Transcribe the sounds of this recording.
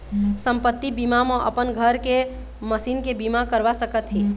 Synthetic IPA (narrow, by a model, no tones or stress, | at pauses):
səmpət̪ːibimamẽʔə̰pənɡʱəɾke | məsinkebimakəɾʋasəkət̪ɦĩ